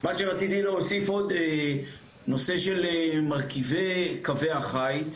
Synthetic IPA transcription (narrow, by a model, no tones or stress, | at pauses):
maʃeʁat͡sit̪iloosifo̞d̪e | no̞se̞ʃelemaʁkivekaveaχajt